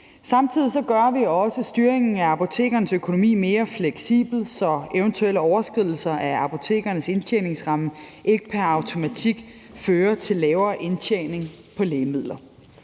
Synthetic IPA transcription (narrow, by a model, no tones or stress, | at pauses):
sɑ̈mt͡sʰið̞̰ˠisɒ̽ɡ̥ɶɐʋiɒ̽səsd̥yːɐeŋn̩æɑ̈pʰo̝t͡sʰe̝̰ːɡ̥ɐnəsøkʰo̝no̝mḭːme̝ːɐfleɡ̥sḭːb̥l̩sɒ̽eʊənt͡sʰuel̰əɒʊɐsɡ̥ʁiðˠl̩sɐʔæɑ̈pʰo̝t͡sʰe̝̰ːɡ̥ɐnəse̝nt͡ɕʰene̝ŋsʁɑ̈məʔe̝ɡ̥ə̥pʰæɐɑ̈ʊt͡sʰo̝mæt͡sʰiɡ̥ | føːɐt͡sʰe̝lːɛːʊɐːʔe̝nt͡ɕʰene̝ŋ | pʰɒ̽leːmið̞̰ˠlɐ